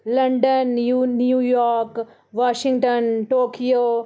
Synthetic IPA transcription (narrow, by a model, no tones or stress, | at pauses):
lɐɳɖənːunjuːjɔːɾk | ʋaːʃɪ̃ŋɡʈənʈoːkijoː